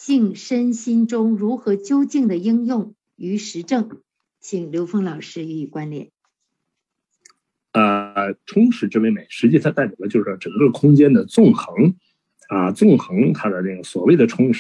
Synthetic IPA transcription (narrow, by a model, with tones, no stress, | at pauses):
t͡ɕi˥˩ŋʂə˥nɕi˥nʈ͡ʂʊ˥ŋɻu˧˥xɤ˧˥t͡ɕjo˥ʊt͡ɕi˥˩ŋd̪ə˩i˥ŋjʊ˥˩ŋ | y˧˥ʂɻ̩˧˥ʈ͡ʂɤ˥˩ŋ | t͡ɕʰi˧˩ŋljo˧˥ʊfɤ˥ŋlɑ˨˩ʊʂɻ̩˥y˧˥i˨˩kwa˥nljɛ̰˨˩˦n | ə˧ʈ͡ʂʰʊ˥ŋʂɻ̩˧˥ʈ͡ʂɤ˥˧˩we˥˩ɪme˨˩˦ɪʂɻ̩˧˥t͡ɕi˥˩t̪ʰa˥a˥˩ɪpjɑ˨˩lə˦t͡ɕjo˥˧ʂɻ̩˥˩ʈ͡ʂɤ˨˩ŋkɤ˥˩˧kʰʊ˥ŋt͡ɕjɛ˥nd̪ə˨t͡sʊ˥˩ŋxɤ˧˥ŋ | ɐ˧t͡sʊ˥˩ŋxɤ˧˥ŋt̪ʰa˥d̪ə˨na˥˩ɡə˩swɔ̰˨˩we˥˩ɪd̪ə˩ʈ͡ʂʰʊ˥ŋʂ